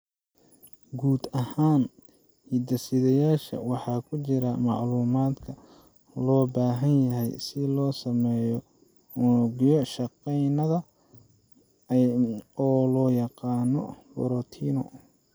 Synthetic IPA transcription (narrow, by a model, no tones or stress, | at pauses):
ɡuːd̪ɐhaːn | iːd̪ɐsɪðɐjaːʃɐ̰wɑħɑːkʰʊt͡ʃɪɾɐmɑʕluːmaːd̪kʰɐ | lɔːbaːɦɐnjɐɦɛjsɪlɔːsɐmɛjɔ | ʊnɡjɔʃɑqɛjnɐðɐ | ɔːlɔːjɑqɑːnɔbɔ̰ɾɔt̪ʰiːnɔ̰